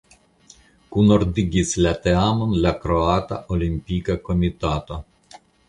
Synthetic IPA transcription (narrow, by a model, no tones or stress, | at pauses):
kunɔɾd̪iɡislat̪eamonlakɾoat̪a̰ʔolimpikakomit̪aːt̪o